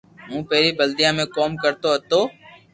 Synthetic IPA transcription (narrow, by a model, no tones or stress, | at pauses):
ɦũːpeːɾiːbəld̪ɪjãːmẽːkoːmkəɾt̪oːɦət̪oː